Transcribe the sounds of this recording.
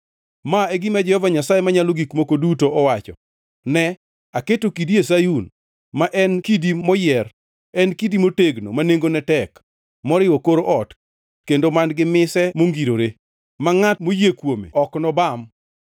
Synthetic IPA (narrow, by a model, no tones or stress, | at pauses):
maeɡɪmad͡ʒɛhɔvaɲasajemaɲaloɡikmokodutoɔwat͡ʃɔ̰ | nɛ | aketokidies̬ajun | maʔɛnkidimɔjɛr | ɛnkidimoteɡno̰maneŋɡonɛtɛk | mɔɾɪwɔkoɾoʔɔt | kendomanɡɪmɪsɛmoŋɡiɾoɾe | maŋatmojekwomḛɔknɔbam